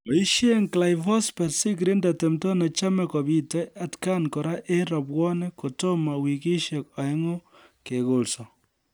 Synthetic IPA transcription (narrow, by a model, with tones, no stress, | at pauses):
ɔ˨i˦ʃe˦ŋkla˨jfɔ˦spɛ˨rsi˦k̬ɾi˦nda˨te˨mtɔ˦na˨t͡ʃa˦mɛ˨kɔ˨bi˦tɔ˦ja˨tka˦nkɔ˨ɾa˦ʔe˦ɾɔ˨pwɔ˦nɛ˦ko˨to˦ma˨wi˨ki˦ʃe˨k̚a˨ɛ˦ŋo˦ | ke˨ko˨lsɔ˨